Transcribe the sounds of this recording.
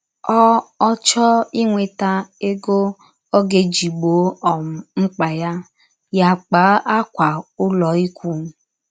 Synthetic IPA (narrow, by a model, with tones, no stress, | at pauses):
ɔ˦ɔ˦t͡ʃɔ˦i˦ŋʷe˧ta˧e˦ɡo˦ | o˦ɡe˦d͡ʒi˨ɡ͡bo˨˦ɔ˨ŋ͡m̩˦k͡pa˨ja˦ | ja˨k͡pa˨˦a˦kʷa˨o˦lɔ˨˦i˦kʷu˦˨